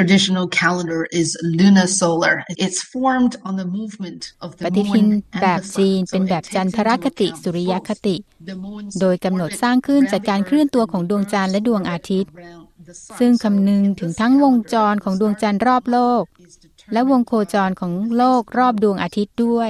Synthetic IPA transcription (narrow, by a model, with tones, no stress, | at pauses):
ɨdɪʃn̩l̩ˠkʰælˠə̃ndə˞ʔɪzlʉnəsoʊlˠə̰˞ɪtsfɔɹmdn̩ðəmuvmɨ̃ntʌvpa˧t̪i˦˥t̪ʰi˧nbɛː˨˩p̚t͡ɕiː˧npe˧nbɛː˨˩p̚t͡ɕa˧np̪ʰa˧ɾaː˦˥˩kʰːa˧t̪i˨˩su˩˦ɾi˦˥ja˦˥kʰːa˧t̪i˨˩ʔdoː˧jka˧mno˨˩t̪̚saː˥˩ŋkʰɯ˥˩nt͡ɕaː˨˩kːaː˧nkʰɾɯ˥˩ənt̪u˧ɐkʰɔː˩˦ŋdu˧əŋt͡ɕa˧nlɛ˦˥du˧əŋʔaː˧t̪ʰi˦˥t̪̚ | sɯ˥˩ŋkʰa˧mnɯ˧ŋt̪ʰɯ˩˦ŋt̪ʰa˦˥ŋwo˧ŋt͡ɕɔː˧nkʰɔː˩˦ŋdu˧əŋt͡ɕa˧nɾɔː˥˩p̚loː˥˩k̚ | lɛ˦˥wo˧ŋkʰoː˧t͡ɕɔː˧nkʰɔː˩˦ŋloː˥˩k̚ɾɔː˥˩p̚du˧əŋʔaː˧t̪ʰi˦˥t̪̚du˥˩əj